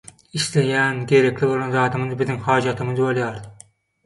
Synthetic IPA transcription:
iʃlejænɡʲeɾekʲlɪbolˠɑnzɑːt̪ɨmɨzbɪzɪŋhɑːd͡ʒɑt̪ʰɪmɨzbolˠjɑːɾd̪ɪ

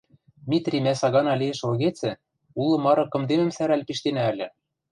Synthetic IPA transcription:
d̪mʲit̪rʲimæsɑɣɑnɑlʲejĕʃŏlɣet͡sɘ̆ | ulˠɤ̆mɑɾɤ̆kɤ̆md̪emɘ̆msæɾælʲpiʃt̪enæːlʲɘ̆

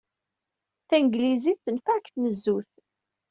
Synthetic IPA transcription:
θænɡliziθθənfækθnəzːuθ

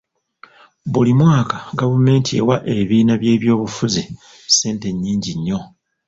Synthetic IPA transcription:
βulimwaːkaɡavume̞ːntie̞̰waʔe̞βiːnaβje̞ːβjo̞ːβufuzi | se̞ːnte̞ɲːiːɲɟiɲːo̞

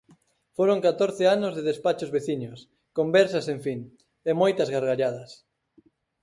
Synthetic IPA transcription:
foɾoŋkat̪oɾθeanʊzðeðespat͡ʃozβeθiɲos | kombɛɾsɐseɱfiŋ | emojt̪ɐzɣaɾɣaʎaðɐs

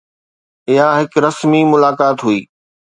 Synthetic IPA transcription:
ɪɦaɦɪkɾɐsmimʊlaːkaːt̪ɦuiː

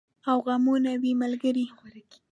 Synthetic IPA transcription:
awɣamunawimalɡəɾixaɾaɡi̥

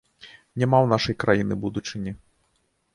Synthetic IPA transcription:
nʲamawnaʂɐjkɾʔajinɨbud̪ut͡ʂɨnʲi

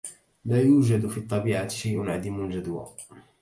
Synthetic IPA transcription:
laːjuːd͡ʒad̪fiːt̪ˤːɑbiːʕat̪ʃajʔʊnʕad̪iːmʊld͡ʒad̪wa̰ː

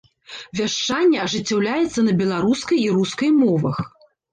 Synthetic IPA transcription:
vʲaʂt͡ʂanʲːɛɐʐɨt͡sʲːawlʲajɛt̪sːɐnɐbʲɛlˠaɾuskɐjiɾuskɐjmɔvɐx

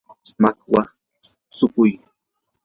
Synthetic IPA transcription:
makwa | sʊkʊj

